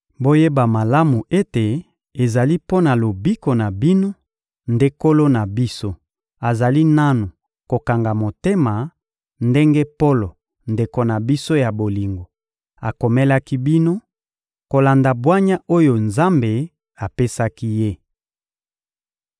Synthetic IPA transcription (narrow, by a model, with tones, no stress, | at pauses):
bo˦je˦ba˨ma˨la˦mu˨e˦te˨ | e˨za˨li˦po˦na˨lo˨bi˦ko˨na˨bi˦no˦ | nde˦ko˦lo˦na˨bi˦so˦ | a˨za˨li˦na˦nu˨ | ko˨ka˨ŋɡa˨mo˨te˦ma˨ | nde˦ŋɡe˦po˦lo˨ | nde˨ko˨na˨bi˦so˦ja˨bo˨li˨ŋɡo˨ | a˨ko˨me˦la˦ki˦bi˦no˦ | ko˨la˨nda˨bwa˦ɲa˦ʔo˦jo˨nza˦mbe˨ | a˨pe˦sa˦ki˦je˦